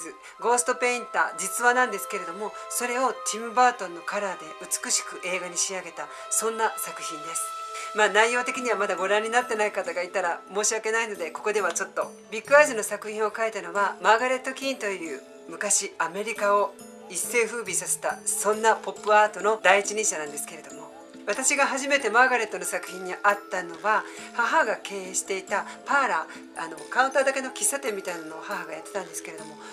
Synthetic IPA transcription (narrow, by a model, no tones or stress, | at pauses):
ɨ | ɡo̞ːsɨ̥t̪ope̞ĩnt̪a̰d͡ʑit͡sɨβanãnd̪e̞sɨ̥ke̞ɾe̞d̪o̞mo̞so̞ɾe̞o̞t̪ʲimɯ̟baːt̪õ̞nːo̞kaɾaːd̪e̞ɯ̟t͡sɨ̥kɯ̟ɕi̥kɯ̟ʔe̞ːɡaɲ̟iɕiaɡe̞t̪a | sõ̞nːasakɯ̟̥çĩnd̪e̞sɨ̥maːnaijːo̞ːt̪e̞kʲiɲ̟iβamad̪aɡo̞ɾãɲ̟ːinat̪ːe̞naikat̪aɡait̪aɾamo̞ːɕiake̞naino̞d̪e̞ko̞ko̞d̪e̞βat͡ɕo̞t̪ːo̞ | bʲikːɯazino̞sakɯ̟çĩo̞kait̪ano̞βamaɡaɾe̞t̪ːo̞kʲĩnt̪o̞jɯ̟ː | mɯ̟kaɕiame̞ɾʲikao̞ | isːe̞ːɸɯ̟ːbʲisase̞̥t̪asõ̞nːapo̞pːɯ̟aːt̪o̞no̞d̪aiit͡ɕiɲʲĩɕanãnd̪esɨ̥ke̞ɾe̞d̪o̞mo̞ | βat̪aɕiɡaɦaʑime̞t̪e̞maɡaɾe̞t̪ːo̞no̞sakɯ̟̥çʲĩɲ̟ːiʔat̪ːano̞βahaɦaɡake̞ːɕi̥t̪e̞it̪apaːɾaː | no̞kaɯ̃nt̪aːd̪ake̞no̞kʲisːat̪ẽ̞mːʲit̪ainano̞ːhaɦaɡajat̪ːe̞̥t̪ãnd̪esɨ̥ke̞ɾe̞d̪o̞mo̞